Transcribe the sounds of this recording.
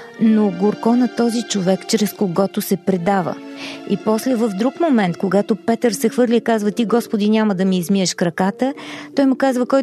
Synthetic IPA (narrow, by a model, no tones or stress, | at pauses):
noɡoɾkɔnɐt̪ɔzit͡ʃovɛkt͡ʃɾɛskoɡɔt̪ʊsɛpɾɛd̪avə̰ipɔslɛvəfd̪ɾukmomɛnt̪koɡat̪opɛt̪əɾsɛxvɤɾlʲiːkazvət̪iɡɔspod̪inʲaməd̪ɐmiːzmiəʃkɾɐkat̪ət̪ɔjmʊkazvəkɔj